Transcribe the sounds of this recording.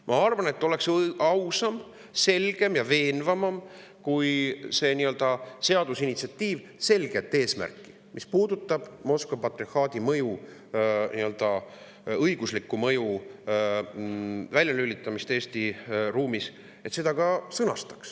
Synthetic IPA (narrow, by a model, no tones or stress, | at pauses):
mʔɑɑrvɑne̞t̪ˑːo̞le̞ksɑwsɑm | se̞lɡ̥e̞mjɑve̞ːnvɑmɑm | kujse̞ːniø̞ld̪ɑse̞ɑd̪̥usinit̪siɑt̪ːiːv | se̞lɡ̥e̞t̪ːˑe̞ːsmæ̰rkːˑi̥ | mʔispuːd̪̥ut̪ːˑɑb̥mo̞skvɑpɑt̪ːˑrihɑːd̪̥imɤju | niø̞ld̪̥ɑ | ɤjɡ̥uslikːˑumɤju | vælʲjɑlylit̪ːˑɑmist̪e̞ːst̪iruːmis | e̞t̪se̞d̪ɑkɑsɤnɑst̪ɑ̥ks